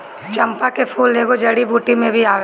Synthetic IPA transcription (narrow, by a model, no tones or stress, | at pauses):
t͡ʃɐ̃mpakepʰuːlːeːɡod͡ʒɐɽibuːʈimẽbʱiaː